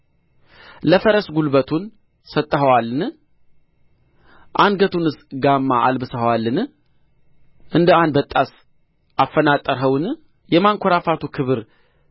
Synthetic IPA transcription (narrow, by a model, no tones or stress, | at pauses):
ləfəɾəsɡulbət̪ʰun | sət̪ʼːəhəwalːɨn | ʔanɡət̪ʰunɨsɡamːaalbɨsəhwalːɨn | ʔɨnd̪əanbət̪ʼːas | ʔafːənat̪ʼːəɾɦəwn | jɛmaŋkʷʰoɾafat̪ʰukʰɨβɨɾ